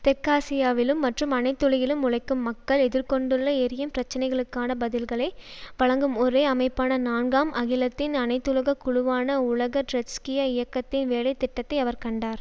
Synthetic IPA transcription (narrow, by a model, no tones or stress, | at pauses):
t̪ɛkaːsɪjaːʋɪlɯmːɐʈrɯmɐnɐɪt̪ːɔɻɐjɪlɯmʊɻɐɪkːɯmːɐkːɐɭɛðɪɾkɔɳɖɯɭːɐɛɾɪjɯmpɪɾɐt͡ʃːɐnɐɪɣɐɭɯkːaːnɐbɐðɪlɣɐɭɐɪʋɐɭɐŋɡɯmɔɾeːɐmɐɪpːaːnɐnaːnɡaːmɐɣɪlɐt̪ːɪnɐnɐɪt̪ːɯlɐɣɐkʊɻʊʋaːnɐʊɭɐɣɐʈɾɛskɪjɐɪjɐkːɐt̪ːɪnʋeːlɐɪt̪ːɪʈːɐt̪ːɐɪɐʋɐɾkɐɳɖaːɾ